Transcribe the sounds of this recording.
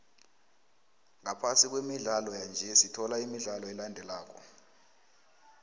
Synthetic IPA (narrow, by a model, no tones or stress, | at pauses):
ŋapʰasik̬wemiɮalɔjand͡ʒʱɛsitʰɔlaimiɮalɔɛlandʱɛlaːk̬ɔ̰